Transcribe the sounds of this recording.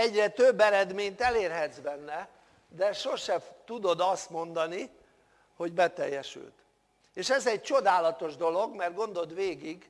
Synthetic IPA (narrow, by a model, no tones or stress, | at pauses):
ɛɟrɛt̪øbːɛɾɛd̪meːɲt̪ɛleːrɦɛd̪zbɛnːɛ | d̪ɛʃo̞ʃɛt̪ud̪o̞d̪ɒst̪mo̞nd̪ɒni | ho̞ɟbɛt̪ɛjːɛʃy̰lt̪ | eːʃɛzɛɟ̚t͡ʃo̞d̪aːlɒt̪o̞ʒd̪o̞lo̞ɡmɛrd̪̚ɡo̞nd̪o̞d̪ʋeːɡiɡ